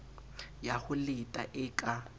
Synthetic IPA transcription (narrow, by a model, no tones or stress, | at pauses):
jahʊlɪtʼaʔɪkʼa